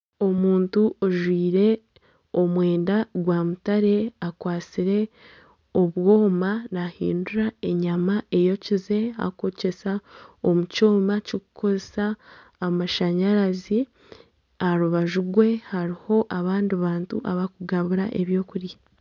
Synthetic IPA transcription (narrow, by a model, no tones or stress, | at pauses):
o̞muːntuʔoʒwiːɾe̞ | omwe̞ːndaɡwaːmutaɾe̞akwaːt͡siɾe̞ | o̞βwo̞ːmanahḭːnduɾae̞ɲamae̞jo̞cize̞a̰ko̞ce̞sao̞muco̞ːmacoku̥ko̞zesaː | maʃaɲaɾazi | aɾuβaʒuɡwe̞haɾiho̞ʔaβaːndiβaːntṵʔaβakuɡaβuɾa̰ʔe̞βjo̞ːkuɾja